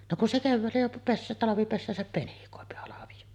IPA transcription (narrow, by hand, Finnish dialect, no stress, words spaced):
no kun se keʋːæːlːæ jo pes tɑlɑʋipesːæːsæp penikoˑepi hɑlɑʋij̆o